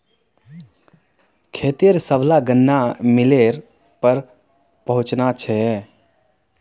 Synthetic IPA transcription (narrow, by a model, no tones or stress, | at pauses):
kʰeːt̪iəɾsəblaɡənːamileɾ | pəɾ | pəɦũt͡ʃnat͡ʃʰɛ